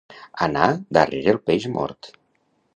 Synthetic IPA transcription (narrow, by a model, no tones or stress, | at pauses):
anad̪areɾelˠpeʒmɔ̰ɾt̪